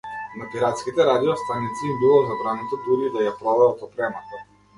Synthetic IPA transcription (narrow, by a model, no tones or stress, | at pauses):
napiɾat̪skʲit̪ɛɾad̪iɔst̪anit̪siːmbilˠɔzabɾanɛt̪ɔd̪uɾid̪ajapɾɔd̪ad̪at̪ɔpɾɛmat̪a